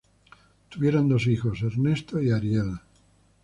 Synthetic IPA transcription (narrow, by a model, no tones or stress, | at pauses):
t̪uβje̞ɾand̪o̞s̬ixo̞seɾne̞st̪oiaɾjel